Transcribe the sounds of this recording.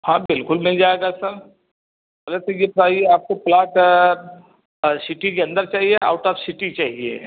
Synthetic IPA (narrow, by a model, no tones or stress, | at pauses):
hãːbɪlkʊlmɛ̃d͡ʒaːeɡasɐɾ | bɐlet̪ojepɾaːieaːp̚koplaːʈ | sɪʈikeɐ̃nd̪əɾt͡ʃaːɦieʔa̰ːʊʈɔːfsɪʈit͡ʃaːɦiḛː